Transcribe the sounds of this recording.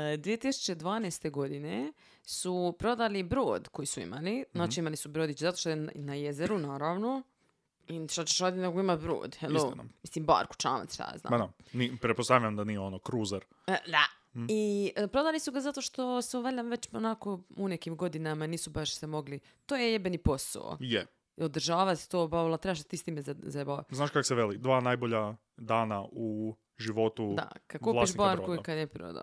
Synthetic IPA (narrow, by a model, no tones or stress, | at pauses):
d̪ʋiet̪isu̥t͡ʃe̞d̪ʋaːneːst̪eɡo̞d̪ine | supɾo̞d̪alibɾo̰ːd̪kojisuḭmalinaːt͡ʃiimalisubɾoːd̪it͡ɕezat̪oʃt̪ojenajezeɾunaːɾaʋno̞ | iʃt̪at͡ɕeʃaːd̪ineɡoimat̪bɾo̰ːd̪helomislimba̰ːɾku̥t͡ʃa̰ːna̰ʃt̪a̰a̰zna̰ːanipɾet̚post̪aʋiʎamd̪anijeonokɾuːzaɾ | d̪a | iəpɾo̞d̪aːlisuɡazat̪oʃt̪o̞seoʋaʎʲamʋet͡ɕonakounekimɡo̞d̪inamaniːsubaʃsemo̞ɡli | t̪ojejebenipo̞sa̰o̰je | od̪ɾ̩ʒaːʋat̪t̪oːbalat̪ɾebaʃsat̪iːst̪iːmezazabaznaːʃkako̥seʋelid̪ʋaːnajboʎa | d̪aːnau | ʒiʋo̞t̪udd̪a̰kad̪kuːlaiʃbaːɾkukad̪jepɾo̰d̪a̰